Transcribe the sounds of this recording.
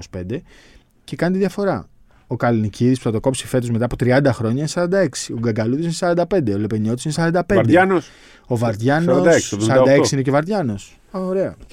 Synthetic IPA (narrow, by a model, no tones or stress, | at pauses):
osi̥pe̞nd̪e̞ | ce̞kɐnet̪iðʝɐfo̞ɾɐ | o̞kɐliniciðispu̥θɐt̪o̞ko̞psife̞t̪ozmet̪ɐːpo̞t̪ɾiɐnd̪ɐxɾo̞ɲɐinesɐɾɐnd̪ɐe̞ksi̥oɡɐɡɐluðisinesɐɾɐnd̪ɐpe̞nd̪eolepeɲio̞t̪isinesɐɾɐnd̪ɐpe̞ɾeɐnos | o̞vɐɾðʝɐnsɾoɐd̪ɐseksisɐɾɐnd̪ɐesiine̞cevɐɾðʝɐno̞s | oɾe̞ɐ